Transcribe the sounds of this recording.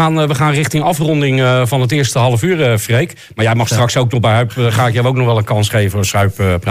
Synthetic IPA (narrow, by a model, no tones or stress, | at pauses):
aːnʋəχaːnrɪxtɪŋɑfrɔndɪŋvɔnətɪəstəɦɑlˠəfyːrfrejk | maːɹjɛjmɑχstrɑksowk̚nɔχbɛjɦœpχaːɪkjɛlˠowknɔχʋɛlˠənkɑnsχejvəvoːsœɥppra